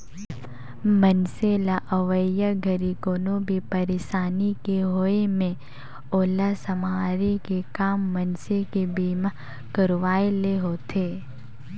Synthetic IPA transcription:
mənselaʔəʋəjəɡʱɐɾikoːnõbʱipəɾeːʃaːnikeɦoemẽ | oːlasɐmaːɾikekaːmːɐnsekebiːma | kəɾʋaːeleɦoːt̪ʰeː

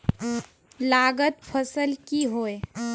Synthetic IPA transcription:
laːɡət̪̚pʰəsəlkiɦoːe

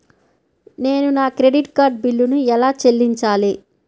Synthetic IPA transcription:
ne̞ːnunaːkɾe̞ɖiʈkaːɾɖ̚bilːunuɛlaːt͡ʃelːiɲt͡ʃaːli

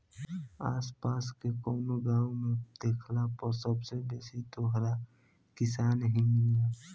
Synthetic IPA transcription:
aːspaskekɔːnoɡawmed̪̥ekʰlapəɾsəbsebeːsit̪oɦɾa | kɪsaːnɦĩa

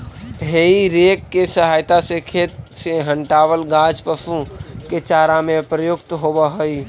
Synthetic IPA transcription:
ɦeiɾeːkːesəɦaːjt̪asekʰeːt̪seɦə̃ɳʈaːwəlɡãːd͡ʒpəsuket͡ʃaːɾamẽpɾəjʊkt̪ɦobəɦoi

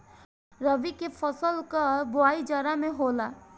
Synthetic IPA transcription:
ɾɐʋikefʰɔsəlkabʊaːid͡ʒaɾamẽɦoːlaː

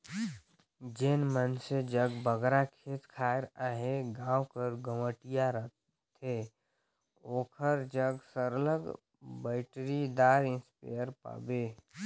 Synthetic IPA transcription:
d͡ʒenmənsed͡ʒəɡbəɡɾakʰeːt̪kʰaːɾaːɦeɡãːwkəɾɡəməʈijaɾə | t̪ʰe | oːkʰəɾd͡ʒəɡsəɾələɡ | bɛɪʈɾid̪aːɾɪ̃nspḛjəɾpa̰ːbeː

